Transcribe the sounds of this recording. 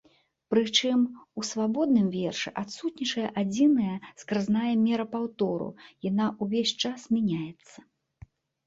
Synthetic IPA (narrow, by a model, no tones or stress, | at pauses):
pɾɨt͡ʂɨmusvabɔd̪̚nɨmvʲɛrʂɨʔat̪sut̪ʲnʲit͡ʂɐjɐʔad͡zʲinɐjɐskɾɨznajɐmʲɛɾɐpawt̪ɔɾṵjanaʔuvʲesʲt͡ʂasmʲanʲajɛt̪sːɐ̥